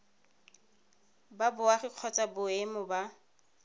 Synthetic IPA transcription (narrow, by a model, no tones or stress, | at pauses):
babʊaχɪq͡χʰɔt͡sʼabʊemʊba